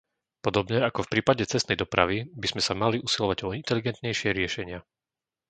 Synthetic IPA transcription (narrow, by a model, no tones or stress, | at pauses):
pɔd̪ɔbɲɛakɔfpɾiːpaɟɛt͡sɛst̪ɛjd̪ɔpɾa̰ʋibiz̥mɛsamaliʔusilɔʋaɟɔint̪ɛliɡɛnt̪ɲɛjʃɪɛɾɪɛʃɛɲɪa